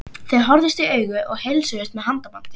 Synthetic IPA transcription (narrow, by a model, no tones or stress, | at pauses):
θeðɦɔɾðɪst̪iœːɥɣʏʔɔɣhejlsœɪst̪mɛðɦant̪amant̪ɪ